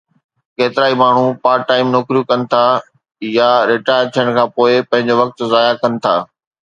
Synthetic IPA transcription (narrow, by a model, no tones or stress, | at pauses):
keːt̪ɪɾaːimaːɳ̤upaːʈaːɪmnʊkɾijukɐnɪ̆t̪ʰa | jaɾɪʈaːjəɾt̪ʰijəɽ̃kʰãːpoːɪpɐ̃ɦɪ̃ɲd͡ʑoʋɐk̚t̪zaːjakɐnɪ̆t̪ʰa̰ː